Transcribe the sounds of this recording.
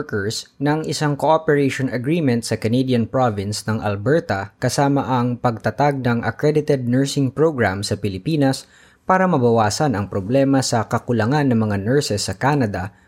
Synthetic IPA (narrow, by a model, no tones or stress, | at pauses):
kɛɹsnɐŋʔɪsaŋkoʔopɛɹejʃonɐɡɹiːmɛ̃nt̪̚sɐkɐned̪jɐnpɹovɪnsnɐŋʔɐ̰lbɛɹt̪ɐkɐsaːmɐʔɐŋpɐɡ̚t̪ɐt̪aɡ̚nɐŋʔɐ̰kɹɛd̪ɪt̪ɛd̪̚nɛɹsɪŋpɹoɡɹamsɐpɪlɪpiːnɐs | paːɾɐmɐbɐwaːsɐnɐŋpɾoblɛmɐsɐkɐkʊlɐŋanːɐŋmɐŋanɛɹsɛsːɐkaːnɐd̪ɐ